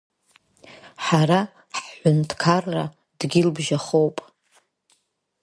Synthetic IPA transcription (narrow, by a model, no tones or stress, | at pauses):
ħaɾa | ħħʷʊntʰkʰarːa̰ | d̥ɡʲɪlbʒaχowpʼ